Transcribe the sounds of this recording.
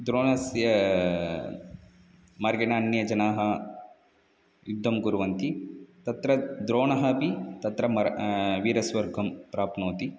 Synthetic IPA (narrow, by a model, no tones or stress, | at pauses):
d̪ɾoːnɐsjɐ | mɐɾɡɐnaːnjɐd͡ʒɐnaːɦɐ | jud̪ʱːɐmɡuɾuʋɐnt̪it̪ɐt̪ɾɐd̪ɾoːnɐɦɐpit̪ɐt̪ɾɐmɐɾʋiːɾɐsʋɐɾɡʱɐmpɾaːpnoːt̪i